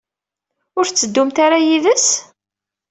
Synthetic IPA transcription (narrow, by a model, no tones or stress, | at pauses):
ʊɾθt͡sːəd̪ːʊmt̪aɾajiðəs